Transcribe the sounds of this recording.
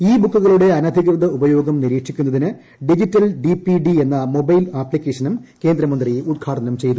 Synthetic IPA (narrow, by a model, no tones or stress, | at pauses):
iːbukːuɣɐɭuɽe̞ɐnɐd̪ʱikrɨðɐubɐjo̞ːɡɐmniɾiːʈʂikʲːunːɐðinɨ | ɖid͡ʑitːɐlɖipiɖie̞nːɐmo̞bɐjlaːpːlikʲːeːʂɐnumke̞ːnd̪ɾɐmɐnd̪rijud̪̚ɡʰaːʈɐnɐmt͡ɕe̞jt̪u